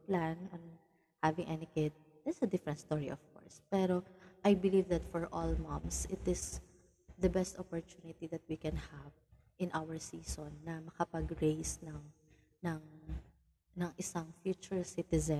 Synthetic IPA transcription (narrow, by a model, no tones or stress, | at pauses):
planɐn | havɪ̃ŋʔɛnɪkɪd̪̚ | d̪ɛtsɐd̪ɪfɾɛ̃nt̪st̪oɹiʔɔv̥kɔ̰ɹspɛɾoʔajbɪlivd̪ɐt̪fɔɹʔɔlmɐ̃msɪt̪ɪs | ðɐbɛst̪ɔpɔɹt͡ʃ̪unɪt̪iðɐt̪̚wikɛnhav | ʔɪ̃nʔawəɹsiːsonːɐmɐkɐpɐɡɹejsnɐŋ | nɐŋ | nɐŋʔɪsɐŋfjuːt͡ʃʊɹsɪt̪ɛzɛ